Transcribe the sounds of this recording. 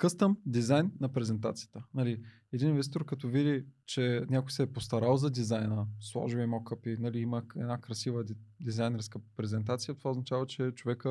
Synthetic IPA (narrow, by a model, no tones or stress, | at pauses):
kɤst̪əmd̪izajnːɐpɾɛzɛnt̪a̰t̪sijə̥t̪ənɐli | ɛd̪ininvɛst̪it̪oɾkɐt̪ɔvid̪it͡ʃɛnʲakʊjsɛːpost̪ɐɾalˠzɐd̪izajnəslˠɔ̰ʒivimɔkəpinɐliiməɛ̰d̪nakɾɐsivəd̪izajnɛɾskəpɾɛzɛnt̪at̪sijət̪ovaoznɐt͡ʃavət͡ʃɛt͡ʃovɛkə